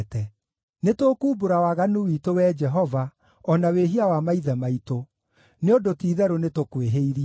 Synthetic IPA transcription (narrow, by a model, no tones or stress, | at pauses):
tɛ | netoːkuːboɾawaɣanuwitowɛd͡ʒɛɦɔva | ɔnaweɦiawamaiðɛmaito | neodotiːðɛɾonetokweɦeiɾi